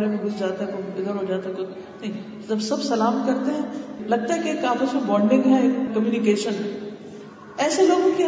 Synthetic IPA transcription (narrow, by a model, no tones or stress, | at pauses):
ɾemẽɡʱʊsʰd͡ʒaːt̪eɦɛ̃t̪oɪd̪əɾɦod͡ʒaːt̪eɦɛkʊ | nɐɦĩ | ɐbsɐbsɐlaːmkɐɾt̪eɦɛ̃lɐɡ̚t̪aɦɛkiekːaːfisɐbɔ̃ːɳɖɪ̃ŋɡɦɛːɐmjuːnɪkeːʃənɦɛ | ɛːseloːɡõki